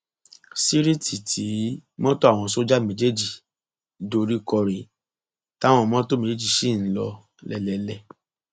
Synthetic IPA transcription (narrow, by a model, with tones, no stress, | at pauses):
si˦ɾi˦ti˨tʰi˨˦mɔ̃˦to˦a˦˨w̃ɔ̃˧so˦d͡ʒa˦mĩ˧˦d͡ʒe˦d͡ʒi˨ | do˧ɾi˦kɔ˧ɾe˨ | ta˦w̃ɔ̃˧mɔ̃˦to˦mẽ˨˦d͡ʒe˦d͡ʒi˨ʃi˦˨n̩˦lɔ˧ | lɛ˧˨lɛ˨˦lɛ˦˨